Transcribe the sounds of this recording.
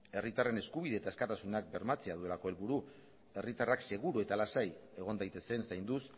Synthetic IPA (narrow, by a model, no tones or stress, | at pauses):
e̞rit̪are̞ne̞skuβ̞iðe̞ːt̪aeskat̪asunak̚be̞ɾmat͡se̞aðue̞lako̞e̞lβuɾu | e̞rit̪arakse̞ɣuɾue̞t̪alasaje̞ɣ̞o̞nd̪ajt̪e̞se̞nsajnd̪us